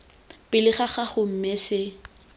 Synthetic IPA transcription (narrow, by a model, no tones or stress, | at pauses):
pʼɪlɪχaχaχʊm̩mɛsɪ